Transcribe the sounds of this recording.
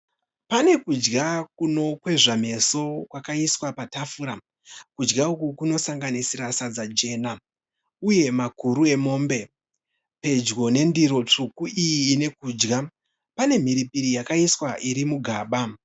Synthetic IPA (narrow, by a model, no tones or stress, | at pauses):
pane̞kud͡ʒɡakuno̞kwe̞ʐam̤e̞so̞kwakaiswapatafuɾa | kud͡ʒɡaukukuno̞saŋɡanisiɾasad͡zad͡ʒe̞ːna | uje̞makuɾue̞mo̞ːmbe̞ | pe̞d͡ʒɡo̞ne̞ndiɾo̞t͡ʂukuijiːne̞kuːd͡ʒɡa | pane̞m̤iɾipiɾijakaiswaʔiɾimuɡʱaːɓa